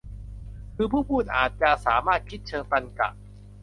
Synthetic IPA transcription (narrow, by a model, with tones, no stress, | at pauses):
kʰɯː˧pʰuː˥˩pʰuː˥˩n̚ʔa̰ː˨˩t̪̚t͡ɕa˨ʔsaː˩˦maː˥˩t̪̚kʰi˦˥t̪̚t͡ɕʰɤː˧ŋt̪a˧nka̰˨˩ʔ